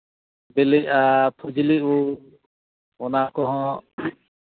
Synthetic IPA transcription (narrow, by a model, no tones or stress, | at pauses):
bɛlɛcat̪ʰud͡ʒiliʔu | ɔnakɔɦɔ̃